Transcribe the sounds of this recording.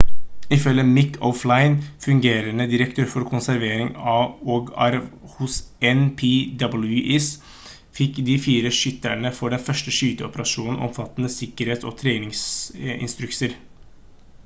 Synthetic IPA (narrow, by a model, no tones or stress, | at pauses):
ɪfœlːəmɪkʰːɔflɑɪnfʉŋɡeːɾənəd̪ɪɾəkt̪ʰøːɾfɔɾkʰʊnsæɾʋeːɾɪŋɑoːɡæ̰ɾʋhʊsɛnpʰiːd̪ɑbəl̩ʉʔɪs | fɪkːd̪iːfiːɾəʂʏt̪ːæɳəfɔɖɛfœʂʈəʂyːt̪əɔpəɾɑʂuːnn̩ʔɔ̰mfɑt̪ːnəsɪkəɾheːt̪sɔ̰t̪ʰɾeːnɪŋsɪ̰nst̪ɾʉksəɾ